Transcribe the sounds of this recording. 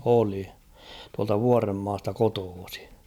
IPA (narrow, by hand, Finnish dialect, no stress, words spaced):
oli tuɑltɑ ʋuɑremːɑːstɑ kotoːsi̥